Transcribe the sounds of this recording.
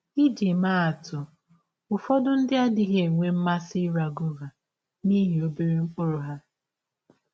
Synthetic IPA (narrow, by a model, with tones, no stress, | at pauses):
i˦d͡ʒi˨maː˦a˨tʊ˨ | ʊ˨fɔ˦dʊ˦n̩˦dɪ˦a˦dɪ˦ɦe˨ŋʷe˦m̩˦ma˦si˦ɾa˨ɡʊ˦ɣa˨ | ni˦ɦi˨o˦be˦ɾe˦ŋ͡m̩˦k͡pʊ˦ɾʊ˨ɦa˦